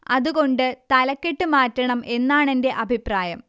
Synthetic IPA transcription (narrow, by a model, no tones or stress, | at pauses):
ɐðuɣo̞ɳɖɨt̪ɐlɐkːeʈːɨmaːtːɐɳɐme̞nːaːɳe̞nde̞ʔɐbʱipraːjɐm